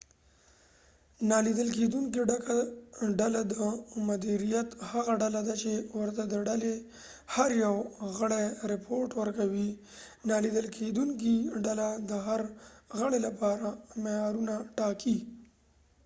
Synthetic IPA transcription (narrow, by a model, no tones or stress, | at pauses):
nɑlid̪əlk̬ed̪uŋk̬iɖakaɖalad̪əmʊd̪iɾijat̪haɣaɖalad̪at͡ʃewəɾt̪ad̪əɖale | haɾjawɣəɽeɾɪpʰoɾʈwəɾkawi | nɑlid̪əlkʰed̪uŋk̬iɖalad̪əɦaɾɣəɽelapɑɾamejɑɾunaʈɑki